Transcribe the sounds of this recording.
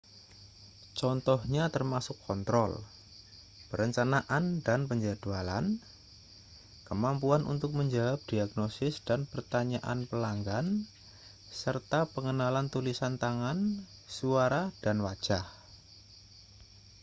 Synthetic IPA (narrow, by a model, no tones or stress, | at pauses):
t͡ʃɔnt̪ɔhɲat̪ərmasʊkʰːɔnt̪ɾɔl | pəɾəɲt͡ʃanaʔandanpəɲd͡ʒad̥uala̰n | kəmampuanʔṵnt̪ʊk̚məɲd͡ʒawap̚d̥iaɡnosɪsd̥anpərt̪aɲaʔa̰npəlaŋɡan | sərt̪apəŋənalant̪ulisant̪aŋan | suaɾad̥anwḁd͡ʒ̥ah